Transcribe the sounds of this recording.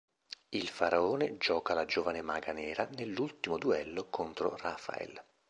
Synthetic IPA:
ilfaɾaoːned͡ʒɔːkalad͡ʒoːvanemaɡanɛːɾanelːult̪imod̪uɛlːokʰont̪ɾo̰ra̰fa̰ɛ̰l

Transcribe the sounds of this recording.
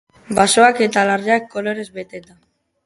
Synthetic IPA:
basoaket̪alaɾakːoloɾe̞zbet̪et̪a

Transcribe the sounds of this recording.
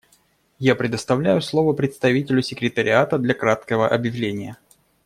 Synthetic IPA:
japɾʲɪd̪əst̪ɐvlʲæjʊslˠo̞vəpɾʲɪt̪st̪ɐvʲitʲɪlʲʊsʲɪkɾʲɪt̪əɾʲɪat̪əd̪lʲɐkɾat̪kəvəʔɐbjɪvlʲenʲɪjə

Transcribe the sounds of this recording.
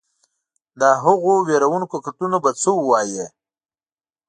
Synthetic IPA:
d̪aɦʊɣoweɾawunkokaʈunobat͡səwwɑje

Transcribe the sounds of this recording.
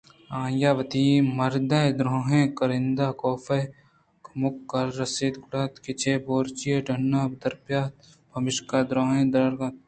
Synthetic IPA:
ãːjaːʋɐt̪imɐɾd̪ɐd̪ɾoːɦẽːkɐɾɪnd̪aːkoːfɐ | kmʊkːɐɾːɐseːd̪ɡʊɽaːt̪kɪt͡ʃʰeːboːɾt͡ʃijeɖʱɐnːaːbd̪ɐɾpjaːt̪ | bʱɐmɪʃkad̪ɾoːɦẽːd̪ɾɐɾɡat̪̚

